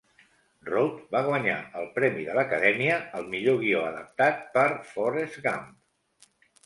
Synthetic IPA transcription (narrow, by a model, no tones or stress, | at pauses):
rowt̪baɣ̞wəɲa̰əlˠpɾɛmiðələkəðɛmiəəlˠmiʎoɣ̞ioəðəp̚t̪at̪̚pəɾfɔɾezɣamp